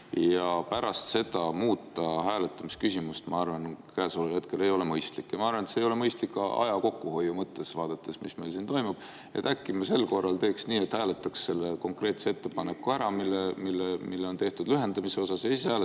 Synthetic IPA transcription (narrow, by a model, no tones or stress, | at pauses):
jɑpæɾɑst̪se̞d̪ɑmuːt̪ːˑɑɦæːle̞t̪ːˑɑmiskysʲimust̪mɑɑrvɑnkæːsolelhe̞t̪̚ke̞le̞jo̞le̞mɤjst̪likːjɑmɑɑrvɑnet̪seːjo̞lemɤjst̪likːɑʔɑ̰jɑko̞kːuho̞jːumɤt̪ˑːe̞svɑːd̪̥ɑt̪ːˑe̞smisme̞jlsint̪o̞jmub̥ | e̞̰t̪ːækːimɑse̞lko̞rːɑlt̪eːksniːet̪hæːle̞t̪ːˑɑksːe̞lːeko̞ŋkre̞ːt̪see̞t̪ːe̞pɑne̞kːˑuæɾɑmilːemilːemilːeont̪e̞ht̪ud̪̥lyɦe̞nd̪ɑmiseo̞sɑsejsæːl